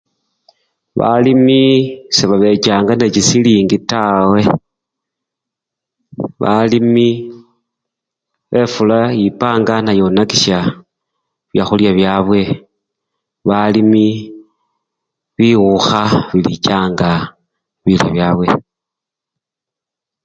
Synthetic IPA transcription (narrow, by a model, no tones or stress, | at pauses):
βa̰limiseβaβe̞t͡ʃaːŋɡanet͡ʃisiliːŋɡitawe̞ | βa̰limi | βʔe̞fulajipaːŋɡanajonakiʃja | βjaxuljaβjaβwe̞ | βalimi | βiwuxaβilit͡ʃaːŋɡa | βilḭβjaβwḛ